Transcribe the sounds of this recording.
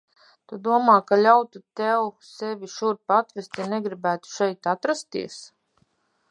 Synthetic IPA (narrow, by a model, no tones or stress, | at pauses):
t̪ud̪uɔmaːkalʲawt̪ut̪ɛwsɛvʲiʃuɾpat̪vest̪janɛɡɾibæːt̪u̥ʃɛjt̪at̪ɾast̪ḭɛs